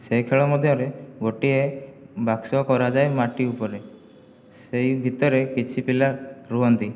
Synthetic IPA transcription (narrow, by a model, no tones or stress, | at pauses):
sejkʰeɭɔmɔd̪ʱjɔɾeɡoʈiebaksɔkɔɾad͡ʒajmaʈiupɔɾe | sejbʱit̪ɔɾekit͡ʃʰipilaɾuɦɔnt̪i